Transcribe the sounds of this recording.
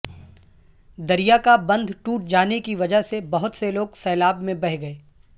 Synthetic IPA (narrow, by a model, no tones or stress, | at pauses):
d̪ɐɾijakabɐ̃nd̪ʱʈuːʈ̚d͡ʒaːnekiʋɐd͡ʒəɦsebɐɦʊt̪seloːɡsɛːlaːbmẽbɐɦɡɐeː